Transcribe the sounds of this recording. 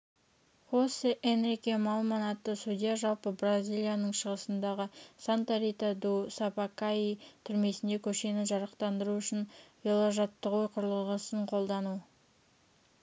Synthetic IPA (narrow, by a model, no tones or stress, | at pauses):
χosəʔenrikʲemɑlˠmɑnɑt̪ːəsud̪ʲijaʒɑlˠpəbrazʲijlʲˠijanəɴʃəʁəsənd̪ɑʁəsant̪aɾit̪ad̪usapakait̪ʰʏɾme̞sɪnd̪e̞kʲʰɵʃe̞nɪʒɑɾɑqt̪ɑnd̪əɾuʏʃɪnvelˠoʒɑt̪ːəʁojqʰʊɾəlˠəʁəsəɴqʰo̞lˠd̪ɑnu